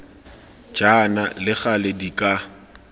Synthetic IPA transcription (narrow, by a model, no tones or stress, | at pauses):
d͡ʒanalɪχalɛdikʼa